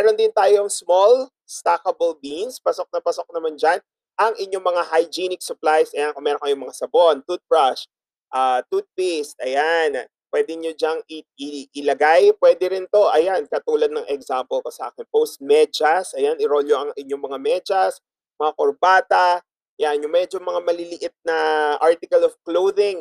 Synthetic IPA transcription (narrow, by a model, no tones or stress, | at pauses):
mɛɾond̪ɪnt̪aːjoŋsmol | st̪akɐbolbinspɐsok̚nɐpɐsok̚nɐmand͡ʒan | ʔɐŋʔɪɲːo̞ŋmɐŋahajd͡ʒinɪk̚sʊplajsʔɐjankomɛːɾoŋkɐjomɐŋasɐbo̞nt̪ud̪̚fɹɐʃ | ʔaːt̪ud̪̚pist̪̚ɐjan | pwɛd̪ɪɲod͡ʒaŋɪɪɪlɐɡajpwɛːd̪ɛɾɪnt̪o̞ʔɐjankɐt̪uːlɐd̪̚nɐŋʔɛɡsampɛlk̪osɐʔa̰ːkɪnpowst̪̚mɛd͡ʒɐsʔɐjanɪɾoljoʔɐŋɪɲːoŋmɐŋamɛd͡ʒɐs | mɐŋakoɾbaːt̪ɐ | ɐjanjʊŋmɛd͡ʒoŋmɐŋamɐlɪlɪʔɪt̪̚nɐʔaɹt̪ɪkɐlovklowðɪŋ